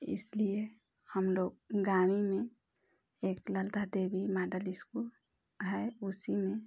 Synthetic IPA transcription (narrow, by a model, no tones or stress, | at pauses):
ɪ̰slie | həmloɡ̚ɡamime | eːkləlt̪ad̪ebimaɖəlɪskul | ɦɛusimẽ